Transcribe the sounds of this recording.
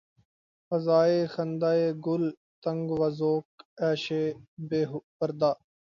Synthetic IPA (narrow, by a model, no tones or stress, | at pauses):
fəzaːeːxənd̪aːeːɡʊl | t̪əŋɡʋəzoːkɛːʃeːbeːɦpəɾd̪aː